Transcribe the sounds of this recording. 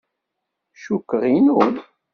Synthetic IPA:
ʃukːəʁinun

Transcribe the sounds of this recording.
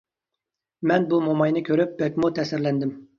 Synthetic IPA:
mɛnbumomɑjnɪkʲʰøɾyp̚bɛk̚ʲmut̪ʰɛsɪɾlɛnd̪ɪm

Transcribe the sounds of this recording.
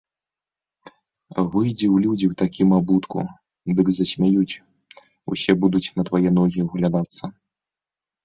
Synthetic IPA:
vɨjd͡zʲɛwlʲud͡zʲiwt̪akʲimabut̪kṵ | d̪ɨɡzɐsʲmʲajut͡sʲ | ṵsʲɛbud̪ut͡sʲnɐt̪vajɛnɔɣʲiuɣlʲad̪at̪sːɐ

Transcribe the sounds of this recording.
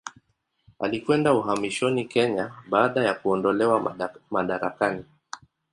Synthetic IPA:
a̰likwɛndauɦamiʃɔnikɛɲaɓaːɗajakuɔndɔlɛwamaɗaɾakani

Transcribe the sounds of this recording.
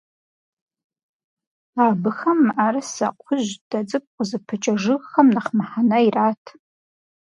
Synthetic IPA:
abɨxɐmːʔaɾɐsɐ̰qʷʰʊʑd̥ɐd͡zɨp̚ʼqʷʼʊzɨpʰɨt͡ʃʼɐʐɨɣxɐmnɐχmaħanɐiraːtʰ

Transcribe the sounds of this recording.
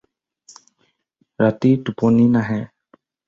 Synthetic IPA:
ɾat̪itupɔninaɦɛ

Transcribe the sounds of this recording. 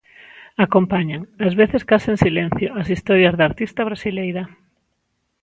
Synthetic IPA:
akompaɲaŋazβeθeskaseŋsilẽn̟θjoasist̪ɔɾjɐzðaɾt̪ist̪ɐβ̞ɾasilejɾa

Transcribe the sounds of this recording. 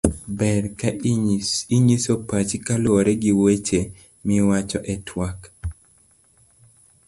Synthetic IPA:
bɛɾka | iɲisopat͡ʃikalooɾɛɡiwet͡ʃe | mɪwat͡ʃɔʔɛtʰwak

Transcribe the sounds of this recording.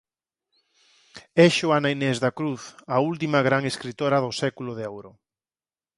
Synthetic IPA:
ɛʃoanainɛzðakɾuθɐult̪imɐɣɾaŋeskɾit̪oɾɐðʊsɛkulʊðeɛwɾʊ

